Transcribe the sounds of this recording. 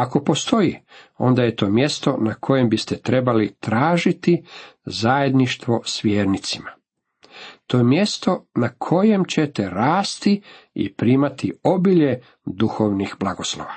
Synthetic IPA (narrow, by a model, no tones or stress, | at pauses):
ako̞po̞st̪o̞io̞̰nd̪aje̞t̪o̞ːmje̞st̪o̞nakʰo̞je̞mbist̪et̪ɾe̞balit̪ɾaːʒit̪izaje̞d̪niʃt̪ʋo̞sʋjeːɾnit̪sima | t̪ojemje̞st̪o̞nakʰo̞je̞mt͡ɕe̞t̪e̞ɾaːst̪i | ḭpɾiːmat̪io̞biʎe̞ | d̪uxo̞ʋnixblˠaɡo̞slo̰ʋa